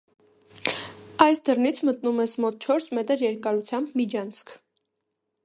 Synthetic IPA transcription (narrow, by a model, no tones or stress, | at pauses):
ɑjsd̪ərnit͡sʰmət̪numɛsmɔt̪̚t͡ʃʰɔɾsmɛt̪əɾjɛɾkɑɾut͡sʰjɑmbmid͡ʒɑnt͡sʰkʰ